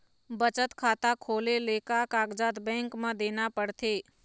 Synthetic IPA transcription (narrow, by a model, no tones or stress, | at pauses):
bət͡ʃət̪kʰaːt̪akʰoːleleːkakaːɡd͡ʒat̪bɛ̃ːŋkmãd̪eːnapəɽt̪ʰeː